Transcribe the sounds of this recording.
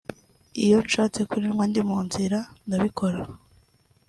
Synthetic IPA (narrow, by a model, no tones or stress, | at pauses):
ijo̞nʃaːt͡se̞kuɾiɾɡwandimuːnziɾandaβikʰo̞ɾa